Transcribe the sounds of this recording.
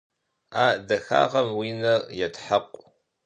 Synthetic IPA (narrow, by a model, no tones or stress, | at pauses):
aːdɐxa̰ːʁɐmwiːnɐrjɛtħaqʷʼ